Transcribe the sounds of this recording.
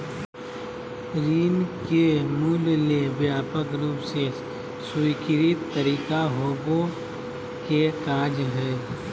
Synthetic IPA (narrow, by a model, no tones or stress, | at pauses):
ɾiːnkemuːllebjaːpəkɾuːpse | sʊikɪɾɪt̪ːəɾiːkaɦoːɡo | kekaːd͡ʒɦɛː